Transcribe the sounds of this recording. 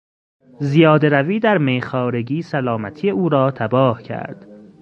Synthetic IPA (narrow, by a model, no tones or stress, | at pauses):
zijɒːd̪eɾæviːd̪æɾmejxɒːɾeɟiːsælɒːmæt̪ʰijeuːɾɒːt̪ʰæbɒːhcʰæ̰ɾd̪̥